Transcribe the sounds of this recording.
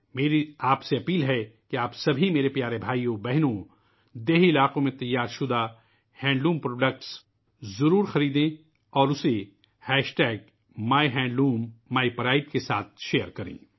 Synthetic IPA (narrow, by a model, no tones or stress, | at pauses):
meːɾiaːpseɐpiːlɦɛkeaːpsɐbʱimeːɾepjaːɾebʱaːijõbɛɦnõ | d̪eːɦɪlaːqõmẽt̪ɐjːaːɾʃʊd̪a | hɛ̃ːɳɖluːmpɾoːɖək̚ʈs | zɐɾuːɾxɐɾiːd̪ẽ | ɔːɾʊse | hɛːʃʈɛːɡ̚ | maːiɦɛ̃ːɳɖluːmːaːipɐɾaːɪʈkesa̰ːt̪̚ʰʃeːəɾkɐɾḛ̃ː